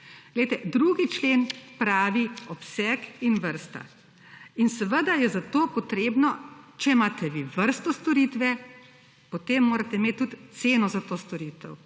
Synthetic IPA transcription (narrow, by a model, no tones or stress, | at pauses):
ɡ̥lɛjt̪ɛd̪ɾuɡit͡ʃleːnpɾaːʋiɔpsɛkinʋəɾst̪a̰ | insɛʋəd̪ajɛzat̪oːpɔt̪ɾeːbnɔt͡ʃɛmaːt̪ʰɛʋiʋəɾst̪ɔst̪ɔɾiːt̪ʋɛ | pot̪emːoːɾat̪ɛimeːt̪tːut̪t̪seːnɔzat̪oːst̪ɔɾiːt̪ɛ̰w